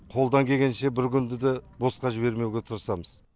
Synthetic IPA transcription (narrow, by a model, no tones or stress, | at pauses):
qʰo̞lˠd̪ɑŋkʲʰe̞ɡʲe̞nʃe̞bɪɾkʲʏnd̪ɪd̪ebo̞sqɑʒɪbe̞ɾme̞wɡʲet̪ʰʊɾəsɑməz̥